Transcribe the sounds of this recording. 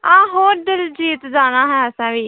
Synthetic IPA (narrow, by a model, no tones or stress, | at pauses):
ãːɦoːɾd̪ɪld͡ʒiːt̪d͡ʒaːñaːɦɛːəsãːʋiː